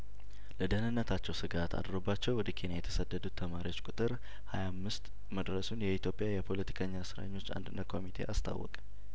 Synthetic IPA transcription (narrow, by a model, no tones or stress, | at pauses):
ləd̪ənɨnːət̪ʰat͡ʃːɛwsɨɡat̪ʰa̰d̪ɾobːat͡ʃːɛwwɔd̪əkʰenjajɛt̪ʰəsəd̪ːəd̪ut̪ʰːəmaɾiwo̞t͡ʃːkʼut̪ʼɨɾ | hajamːɨst̪ | məd̪ɾəsunjɛit̪ʰjo̞pʼɪjajɛpʰo̞lət̪ʰi̥kʰəɲːasɨɾa̰ɲːo̞t͡ʃːa̰nd̪ɨnːət̪kʰo̞mit̪ʰe̞̰ʔast̪ʰa̰wːɔ̰kʼ